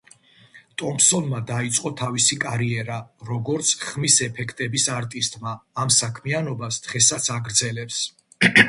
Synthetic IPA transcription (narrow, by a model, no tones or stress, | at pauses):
t̪ʼɔmpsɔnmad̪ait̪sʼqʼɔt̪ʰavisikʼaɾiɛɾaɾɔɡɔɾt̪sʰχχmisɛpʰɛkʰt̪ʼɛbisaɾt̪ʼist̪ʼmaːmsakʰmianɔbasd̪̥ʁɛsat̪sʰaɡɾd̪zɛlɛps